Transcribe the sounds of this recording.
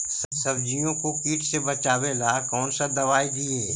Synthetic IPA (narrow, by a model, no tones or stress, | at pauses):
sɐbd͡ʒijõkokiːʈʰsebɐt͡ʃaːwelakɔːnsad̪ɐʋaːid̪ieː